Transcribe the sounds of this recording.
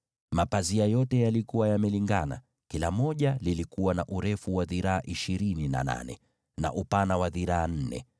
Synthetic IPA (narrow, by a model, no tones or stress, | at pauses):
mapaziajɔtɛjalikuwajamɛliŋɡana̰ | kilamɔʄalilikuwanaʔuɾɛfuwaðiɾaːʔiʃiɾinina̰na̰nɛ̰ | na̰ʔupanawaðiɾaːn̩nɛ̰